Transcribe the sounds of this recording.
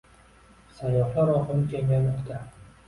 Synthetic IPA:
sajːɒχlaɾɒqɨkʲʰeŋʲalmɒqt̪ʰa

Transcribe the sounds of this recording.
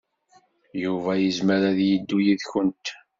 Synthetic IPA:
juvæjəzməɾæðjid̪ːujiðçənt̪

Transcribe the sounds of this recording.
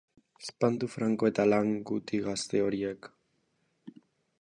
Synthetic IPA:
espand̪ufɾaŋko̞e̞t̪alaŋɡut̪iɣast̪e̞o̞ɾiek

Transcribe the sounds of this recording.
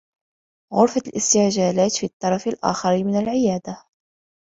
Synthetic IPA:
ɣʊɾfalʔɪst̪ɪʕʒaːlaːt̪fit̪ˤːɑɾˤɑfalʔa̰ːxɑɾimɪnalʕɪjæːd̪a

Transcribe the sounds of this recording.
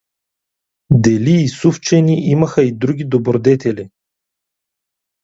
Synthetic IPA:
d̪ɛliːsuft͡ʃɛnʲiʔiməxəid̪ɾuɡʲid̪obɾod̪ɛt̪ɛlʲi

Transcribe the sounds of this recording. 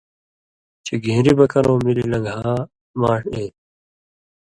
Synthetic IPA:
t͡ɕeɡʱĩːɾibɐkɐɾõːmililɐɡʱaː | maːʂeː

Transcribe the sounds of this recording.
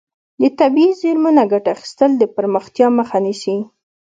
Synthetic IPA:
d̪ət̪abiizeɾmunaɡaʈaːxi̥st̪əld̪əpəɾməxt̪jɑməxanisi

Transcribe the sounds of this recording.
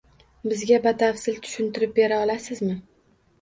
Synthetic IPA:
bɪzɡʲabat̪ʰafsɪlt̪ʰʊ̥ʃʊnt̪ʰɪɾɪp̚be̞ɾaɒlasɪzmɪ

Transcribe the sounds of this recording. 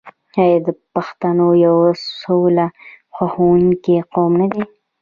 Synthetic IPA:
ajad̪əpaxt̪anojawsola | xaxawuŋkeqomnad̪e

